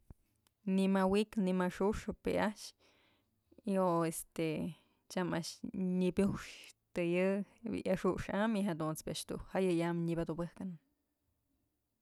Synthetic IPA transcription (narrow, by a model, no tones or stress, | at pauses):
nimawiknimaʂuʂopḛʔaʃ | ioest̪e | t͡ʃamaʃɲibjuʂt̪ɨjɨḭʔjaʂuʂamiɦad̪unspaʔʃt̪ṵhajɨjamɲibad̪ubɨhkan